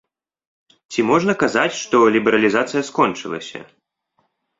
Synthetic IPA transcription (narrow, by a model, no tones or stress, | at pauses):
t͡sʲimɔʐnɐkazat͡sʲʂt̪ɔlʲibɛɾɐlʲizat̪sɨjɐskɔnt͡ʂɨlˠɐ̰sʲɐ̰